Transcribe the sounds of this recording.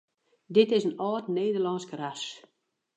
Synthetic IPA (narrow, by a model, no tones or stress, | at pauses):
dɪtɪsənɔːtneːdərlɔnskras